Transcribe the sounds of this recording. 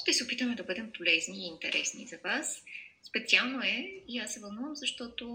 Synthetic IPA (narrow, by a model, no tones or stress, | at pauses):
ʃt̪ɛsɛopit̪əmɛd̪ɐbɤd̪ɛmpolɛzniːnt̪ɛ̰ɾʔɛsnḭzɐvasːpɛt̪sialˠnoɛiasːɛvɐlˠnuvəmzɐʃt̪ɔt̪o